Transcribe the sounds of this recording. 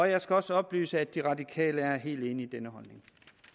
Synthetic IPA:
ɒ̽jɑ̈ɪsɡ̥æɒ̽səɒ̽b̥ly̰ːsəæd̥ːiʁɑ̈dikʰɛ̰ːləæɐɦe̝̰ːld̥e̝ːniːd̥enəɦɒ̽lne̝ŋ

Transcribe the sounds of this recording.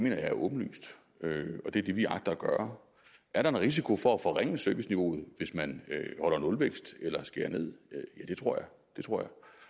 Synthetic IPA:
me̝̰ːnɐjɑ̈æɐʔɔ̽ːb̥n̩ly̰ːsd̥ | øɒ̽d̥e̝æd̥e̝ʋiɑ̈ɡ̥̚d̥ɐæɡ̥ɶːɐ | ʔæɐɾɑ̈e̝nʁis̬ikʰo̝fɒ̽æfɒ̽ʁɛŋ̰əsøʋəsniʋo̝̰ːð̞̩ˠʋe̝smænøhɒ̽l̰ɐnɔ̽lʋeɡ̥sd̥elɐsɡ̥e̝ɐne̝ð̞̰ˠjæd̥e̝t͡sʰʁo̝ɐ̰jɑ̈ɪ | d̥et͡sʰʁo̰ɐ̰jɑ̈ɪ

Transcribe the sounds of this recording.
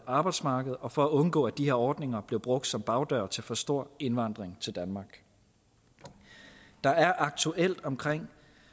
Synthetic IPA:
ɑ̈ːb̥ɑ̈ɪd̥smɑ̈ːɡ̥əð̞̩ˠɒ̽fɒ̽æɔ̽nɡ̥ɔ̰ːæd̥iheɐ̰ɒːd̥ne̝ŋɐb̥le̝ʊb̥ʁɔ̽ɡ̥̚d̥sɒ̽mb̥ɑ̈ʊd̥ɶɐt͡sʰe̝lfɒ̽sd̥o̝ɐ̰e̝nʋɑ̈n̰d̥ʁeŋt͡sʰe̝ld̥ænmɑ̈ːɡ̥ | d̥ɑ̈æɐʔɑ̈ɡ̥̚t͡sʰuʔel̰d̥ɒ̽mkʰʁeŋ̰

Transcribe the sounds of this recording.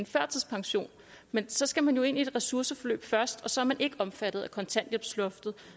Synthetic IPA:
nfɶɐ̰t͡sʰiðˠpʰɑ̈ŋɕo̝̰ːn | mensɒ̽sɡ̥æmænjo̝e̝n̰ie̝d̥ʁɛsuɐsəfɒ̽lø̰ːb̥fɶɐsd̥ɒ̽sɒ̽æɐmænʔe̝ɡ̥əɒ̽mfæd̥ð̩ˠækʰɒ̽nt͡sʰæn̰d̥jeb̥slɔ̽fd̥ð̩ˠ

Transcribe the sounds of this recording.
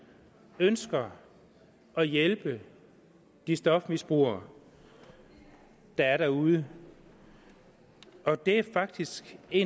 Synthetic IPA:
ønsɡ̥ɐ | ʔɒ̽jelb̥ə | d̥isd̥ɒ̽fmisb̥ʁṵɐ | d̥ɑ̈æɐɾæɐuð̞ˠə | ʔɒ̽d̥e̝æɐfɑ̈ɡ̥̚d̥isɡ̥e̝

